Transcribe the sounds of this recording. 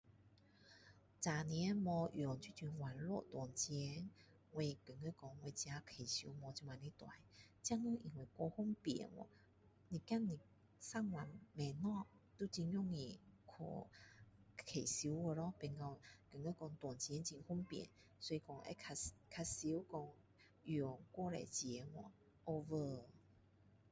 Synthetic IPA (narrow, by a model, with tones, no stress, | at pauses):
t͡sa˨˩nĩ˧˦mɔ̃˧jɔ˨˩ŋt͡ɕʰi˥t͡ɕi˧˦nwa˨˩nlɔ̰˥˧˨t̪wɔ˨˩nt͡ɕɛ˧˦n | we˧kɨ˨˩ŋə˧˦kɔ˧ŋwe˧t͡ɕja˧kʰe˨˩ɕu˧˦mɔ˧t͡ɕi˧mwa˨˩ni˧t̪wa̰˨˩˦nt͡ɕja˦˥ŋə˧˦ʔi˨˩ŋwe˨˩kɔ˧hu˦˥ŋpjɛ̰˨˩˦nwɔ̰˨˦ | nĩ˨˩ka˥˩ni˨˩ | sa˥˨ŋwa˨˩nme˨˩nɔ˥˨ | t̪u˧˦t͡ɕi˧ŋjɔ˥˧˨ŋĩ˧˩kʰɔ̰˧˩ | kʰe˨si˧˦ə˧lɔ˦pe˧nkɔ˧kə˨˩ŋe˧˦kɔ˧ŋt̪wɔ˨˩nt͡ɕi˨˧ɛ˧˦nt͡ɕi˧ŋhu˦˥˦ŋpjḭ˨˩˦n | sɔ˧˦i˧kɔ˧ŋʔḛ˧˦kʰa˧kʰa˧si˧˦wkɔ˧ŋ | jɔ˨˩ŋkwɔ˧˨ɾḛ˨t͡ɕjɛ˨˦ŋwɔ̰˧˨ | ʔo˧və˧